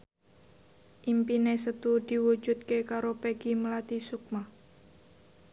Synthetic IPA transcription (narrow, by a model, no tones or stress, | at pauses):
ʔimpinesət̪ud̪̥i̤wu̥ʒ̥ut̪̚kekaɾopeɡ̥imlat̪isuk̚ma